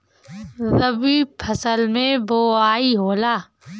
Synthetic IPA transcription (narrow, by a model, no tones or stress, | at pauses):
zəbiːpʰəsəlmẽboːaːiːɦoːlaː